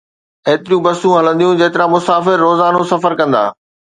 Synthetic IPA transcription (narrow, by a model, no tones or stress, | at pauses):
eːt̪ɪɾjũbɐsũɦɐlə̃nd̪ijũd͡ʑeːt̪ɪɾãmʊsaːfɪɾːoːzaːnosɐfəɾkɐ̃nd̪a̰ː